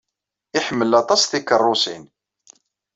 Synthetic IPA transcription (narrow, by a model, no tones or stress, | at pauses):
ɪħəmːəlɑt̪ˤɑsθikːərˤːʊsin